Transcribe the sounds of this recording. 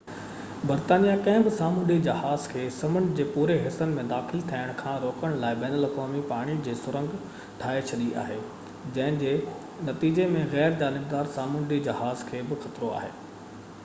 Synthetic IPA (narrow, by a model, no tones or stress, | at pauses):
bɐɾt̪aːnijakɐ̃ɦɪ̃bɪsaːmʊ̃nɖid͡ʑɐɦaːzkʰeːsɐmənd͡ʑeːpuːɾeɦɪsənɪ̆mẽd̪aːxɪlt̪ʰaːɪəɽ̃kʰãːɾoːkəɽ̃laːɪbɛːnəlɐkaːmipaːɽ̃id͡ʑeːsʊɾə̃ŋɡ | ʈʰaːet͡ɕʰɐɗia̰ːɦeː | d͡ʑɐ̃ɦɪ̃d͡ʑeː | nɐt̪iːd͡ʑemẽɣɛːɾd͡ʑaːnɪbd̪aːɾsaːmʊ̃nɖid͡ʑɐɦaːzkʰeːbɪxɐt̪ɾoa̰ːɦḛː